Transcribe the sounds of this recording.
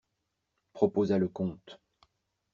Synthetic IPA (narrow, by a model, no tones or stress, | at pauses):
pχɔpozaləkɔ̃t̪